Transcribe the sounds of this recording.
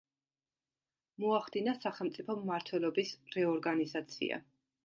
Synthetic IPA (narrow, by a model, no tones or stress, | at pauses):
mɔaχd̪inasaχɛlˠmt̪sʼipʰɔmːaɾt̪ʰwɛlˠɔbisɾɛɔɾɡanizat̪sʰḭa̰